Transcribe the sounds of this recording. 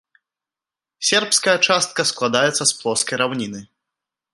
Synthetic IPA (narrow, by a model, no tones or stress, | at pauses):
sʲɛrpskɐjɐt͡ʂast̪̚kɐsklˠad̪ajɛt̪sːɐsplˠɔskɐjɾawnʲinɨ